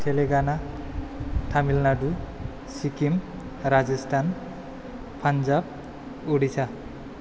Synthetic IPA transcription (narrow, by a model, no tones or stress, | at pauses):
tʰeleɡana | tʰamilnadu | sikim | ɾazistʰan | pʰanzab̚ | uɽisa